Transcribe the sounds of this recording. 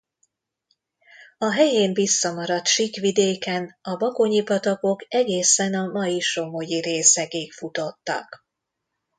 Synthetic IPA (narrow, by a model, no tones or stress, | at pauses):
ɒɦɛjeːɱvisːɒmɒɾɒt̪ʃikʋid̪eːkɛnɒbɒkoɲipɒt̪ɒko̞kɛɡeːsɛnɒmɒjiʃo̞mojiɾeːsɛɡeːkfut̪o̞t̪ːɒ̰k